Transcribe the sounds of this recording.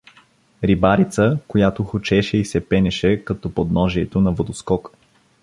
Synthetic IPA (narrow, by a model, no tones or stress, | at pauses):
ɾibaɾit̪səkojat̪oxot͡ʃɛʃɛisɛpɛnɛʃɛkɐt̪ɔpod̪nɔʒiɛt̪onɐvod̪oskɔk